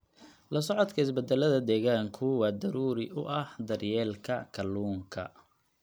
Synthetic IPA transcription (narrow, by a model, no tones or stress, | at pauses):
lɐsɔʕɔd̪kʰɐɪsbɛd̪ɛlɐðɐd̪ɛːɣaːŋkʰʊwɑːd̪ɐɾuːɾɪʔʊʔɐhd̪ɐrjɛːlkʰɐkʰɐluːŋkʰɐ̰